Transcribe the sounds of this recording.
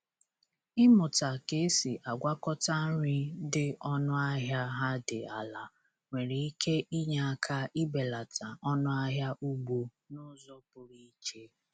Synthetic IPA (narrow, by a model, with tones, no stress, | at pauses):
ɪ˦mʊ˨ta˨ke˨˦si˨ʔa˨ɡʷa˦kɔ˦ta˦n̩˦ɾɪ˦dɪ˦ɔ˦nʊ˦a˦ɦja˦ɦa˦dɪ̰˨a˨la˨ | ŋʷe˨ɾe˨i˦kʰe˦ʔi˦ɲa˦˨a˨kʰa˦i˦be˨la˨tʰa˨ɔ˦nʊ˦a˦ɦja˦ʔu˦ɡ͡bo˨ | nʊ˦zɔ˦pʊ˨ɾi˦t͡ʃe˦